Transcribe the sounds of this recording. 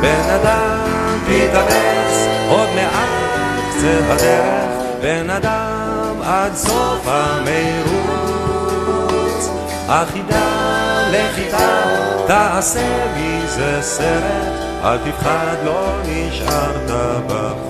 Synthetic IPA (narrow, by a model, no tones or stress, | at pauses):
benad̪a | mmt̪ikanesʔod̪leʔa | ti | t͡sevad̪ɛɾeχ | benad̪a | mad̪zofamejɾu | t͡s | haχid̪aleχit̪at̪aasebizeseɾet | a̰lt̪ifχad̪loniʃʔaɾt̪aba